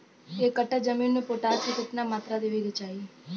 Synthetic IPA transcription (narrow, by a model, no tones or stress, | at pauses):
ekəʈəd͡ʒəminːũpoʈaɾt̪ʰikuʈnamat̪ɾad̪eʋiɾet͡ʃai